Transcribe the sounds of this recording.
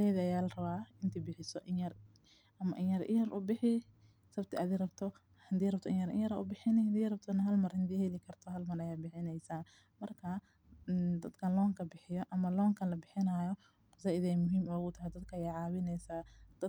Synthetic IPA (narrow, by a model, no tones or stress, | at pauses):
ɛːðiɐjaːlɐrɐβaːɪnt̪ʰiːbɪħɪsɔʔɪɐr | ʔɐmɐʔɪjjɐɾʔɪ̰jɐɾʔʊbɪħɪ | sɐbt̪ʰɪʔɐdirɐbt̪ʰɔ | hɐd̪iːrɐbt̪ʰɔʔɪ̰jɐɾɪ̰jɐɾa̰ːʔʊbɪħɪnɪhɐd̪iːrɐb̚t̪ʰɔnɐɦɐlmɐrhɐnd̪iːhɛlɪkʰɐrt̪ʰɔɦɐlmɐrɐjaːbɪħɪnɛjsaː | mɐrkʰɐ | d̪ɐd̪kʰɐnlɔːŋkʰɐbɪħɪjɔʔɐmɐlɔːŋkʰɐnlɐbɪħɪnaːjɔ | qʊsaːʔɪðɛjmʊɦiːmɔːɣʊt̪ʰɐɦɛjd̪ɐd̪kʰɐjɛʕɑːβɪnɛjsaːd̪̥ɐ